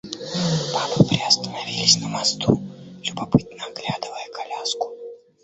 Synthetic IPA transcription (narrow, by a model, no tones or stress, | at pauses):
panɨpɾʲɪɐst̪ənɐvʲilʲɪsʲnəmɐst̪ulʲʊbɐpɨt̪nəɐɡlʲad̪ɨvəjəkʰɐlʲaskʊ̥